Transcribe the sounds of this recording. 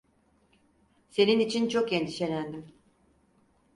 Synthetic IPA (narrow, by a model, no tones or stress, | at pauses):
se̞ninit͡ʃʰint͡ʃʰokjend̪i̥ʃenænd̪im